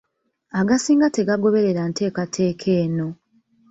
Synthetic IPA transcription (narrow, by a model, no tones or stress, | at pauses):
aɡasiːŋɡate̞ɡaɡo̞βe̞ɾe̞ɾante̞ːkatʰe̞ːkʰe̞ːno̞